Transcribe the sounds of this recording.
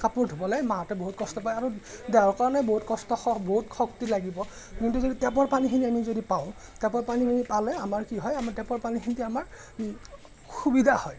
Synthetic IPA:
kapuɹdʱubɔlajmatɛboɦut̚kɔstɔpajaɹudɛaɹkaɹɔnɛboɦutkɔstɔxɔboɦutxɔk̚tilaɡibɔ | kintuzoditɛp̬ɔɹpanixiniamizodipaʊ̃ | tɛpɔɹpaniinipalɛamaɹkiɦɔjamatɛpɔɹpanixʰinitɛamaɹ | xubidʱahɔj

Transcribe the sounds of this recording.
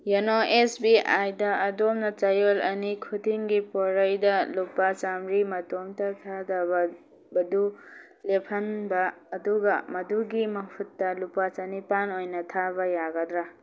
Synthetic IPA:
janoesbiajdɐɐdomnɐt͡ʃɐjolɐ̰nikʰudiŋɡipɔɾɐjdɐlupːat͡ʃamɾimɐtomtɐtʰadaba | bɐdu | lepʰɐnbɐːduɡɐmɐduɡimɐpʰutːɐlupat͡ʃanipanojnɐtʰabɐjaɡɐdɾa

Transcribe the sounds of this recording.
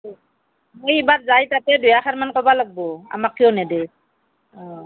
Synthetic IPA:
mojibatzajtatɛdʊjaxʰaɾmankɔbalaɡ̚bɔa̰makʰːijɔnɛde | ɔ

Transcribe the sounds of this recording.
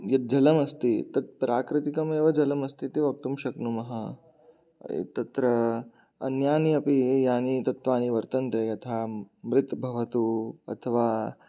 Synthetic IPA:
jɐt̪̚d͡ʒɐlɐmɐst̪it̪ɐɾ̚pɾaːkɾit̪ikɐmeʋɐd͡ʑɐləmɐst̪it̪eʋɐk̚t̪umɕɐknumɐɦa | t̪ɐt̪ɾə | ɐ̰njaːniɐpijaːnit̪ɐt̪ʋaːniʋɐɾt̪ɐnt̪eɐt̪ʰamɾɪt̪bʱɐʋɐt̪uɐ̰t̪ʰəʋa

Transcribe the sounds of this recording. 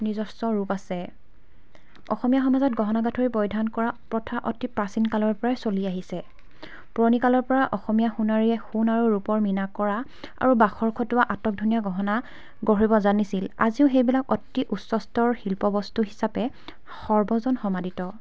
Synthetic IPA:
nizɔsɔɹupasɛ | ɔxɔmijaxɔmazɔt̚ɡʱɔɦɔnaɡatʰoɹibɔjdʱankɔɹapɹɔtʰaʔɔtipɹasinkalɔɹpɔɹajsoliaɦisɛ | pɹɔnikalɔɹpɔɹaʔɔxɔmijaxunaɹiɛxunaɹuɹupɔɹminakɔɹa | a̰ɹubaxɔɹkʰɔtʊwaʔatɔk̚dʱunijaɡɔɦɔna | ɡɔɦibɔzanisila̰ziʊxejbilakɔtːiʔutsɔstɔɹxilpɔbɔstuɦisapɛ | xɔɹbɔzɔnxɔmaditɔ

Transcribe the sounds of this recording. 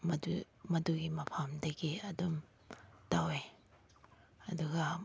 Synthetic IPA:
mɐdu | mɐduɡimɐpʰamdɐɡiɐdum | tawe | ɐduɡɐ

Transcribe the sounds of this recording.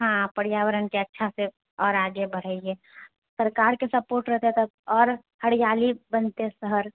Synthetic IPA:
ɦãpəɽjawəɾənkeətːʃʰase | ɔːɾaɡebəɽ̤əe | səɾkaɾkesəpoɾʈɾəɦt̪et̪əɔːɾ | həɽijalibənt̪esəɦəɾ

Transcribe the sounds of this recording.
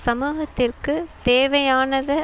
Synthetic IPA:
sɐmuːɣɐt̪ːɪrkɯt̪eːʋɐjaːnɐðɐ

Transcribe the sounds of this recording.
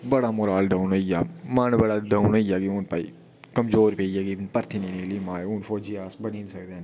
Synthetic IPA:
bɐɽamoɾaːlɖaːnoːijaːmaːnbəɽaɖaːʊnoːijaːɡiʊnpaːḭ | kɐmzoːɾpeːjaɡinpɐɾt̪ʰinĩːnelimãːuːnfoːd͡ʒiaːsbɐniːnsɐkd̪eːn

